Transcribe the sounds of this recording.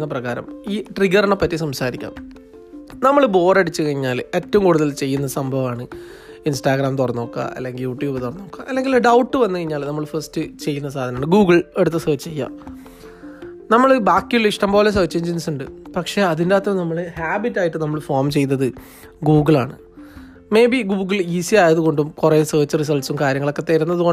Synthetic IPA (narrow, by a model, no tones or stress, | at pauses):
nːɐprɐɣaːɾɐ̰miːʈriɡɐrɐɳepːɐtːisɐmsaːɾikʲːa̰ːm | nɐmːɐɭbo̞ːrɐɽit͡ɕːɨkɐɻiɲːaːletːɐʋumkuːɽuðɐlt͡ɕe̞jːunːɐsɐmbʱɐʋaːɳɨ | insʈaːɡɾaːmt̪̬urɐnːoːkːɐ̰ʔɐ̰lːe̞ŋɡiljuːʈjuːbt̪urɐnːoːkːɐʔɐlːe̞ŋɡilɖɐwʈːɨʋɐnːɨkɐɻiɲːaːlnɐmːɐɭfɐrstɨt͡ɕe̞jːunːɐs̬aːd̪ʱɐnɐmaːɳɨɡuːɡɐɭe̞ɽut̪ːɨsɐːt͡ɕːt͡ɕejːa̰ː | nɐmːɐɭbaːkːuliʂʈɐmboːlesɐːt͡ɕːeːɲd͡ʑinsuɳɖɨpɐkʂe̞ɐðindaːt̪ːɐmnɐmːɐɭɨhaːbitːaːjiʈːɨnɐmːɐɭfo̞ːrmt͡ɕe̞jnːɐðɨ | ɡuːɡɐɭa̰ːɳɨ | me̞ːbiɡuːɡɐɭiːsiaːjɐðuɣo̞ɳɖumkuresɐːt͡ɕːɨris̬ɐlʈsumkaːɾjɐŋːɐɭo̞kːe̞t̪eɾunːɐðuko